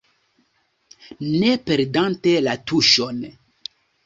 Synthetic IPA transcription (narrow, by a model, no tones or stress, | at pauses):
ne̞pe̞ɾdante̞latuʃon